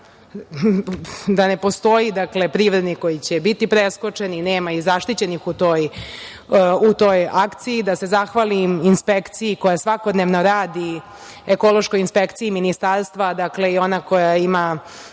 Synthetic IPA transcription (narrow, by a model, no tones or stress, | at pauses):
d̪ane̞po̞st̪o̞jid̪akle̞pɾiʋɾed̪niko̞jit͡ɕebit̪ipɾesko̞t͡ʂe̞nineːmaizaʃt̪it͡ɕe̞nixut̪o̞ːj | ut̪o̞ːjakt̪siid̪asezaxʋaliminspekt̪siiko̞jasʋako̞d̪neʋno̞ɾaːd̪i | eko̞lˠoʃko̞jinspekt̪siiminist̪aɾst̪ʋad̪akle̞io̞nakojaima